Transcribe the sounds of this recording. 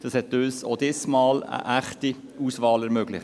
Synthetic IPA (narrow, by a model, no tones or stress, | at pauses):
d̥ɑshɛt̚øːso̰ːd̥ɪsmɑːlə̰ʔæχti | uːsvɑːlɛɾmøːɡ̥lɪχ